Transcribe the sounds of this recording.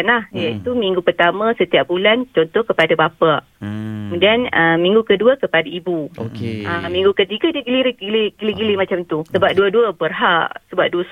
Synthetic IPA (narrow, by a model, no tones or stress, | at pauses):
anlahjait̪umiŋɡupərt̪amə̃sət̪iap̚bulant͡ʃɔnt̪ɔhkəpadabapa | kəmudianəmĩŋɡukəduakəpadaibukeəmĩŋɡukət̪iɡadiəɡiliɾiɡiliɡiliɡilimat͡ʃamt̪usəbap̚duaduəbərɦaʔsəbap̚duəs